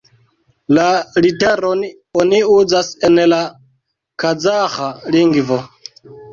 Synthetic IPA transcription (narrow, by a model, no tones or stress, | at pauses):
lalitɛɾɔni | oniud͡zasɛnɛla | kʰad͡zaxaliŋɡvɔ